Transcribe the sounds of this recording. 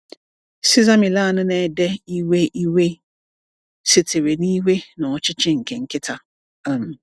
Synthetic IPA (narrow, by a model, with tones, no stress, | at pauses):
si˦za˦mĩ˨la˦˨nʊ̃˦nã˨dɛ˦i˦we˦i˦we˦ | sɪ˨tʰe˨ɾe˨nĩ˦i˦we˦nã˨ɔ˨t͡ɕʰɪ˦t͡ɕʰɪ̃˦˨ŋ̩˨kʰɛ̃˨ŋ̩˨kʰɪ˦tʰa˨ | a˨m˨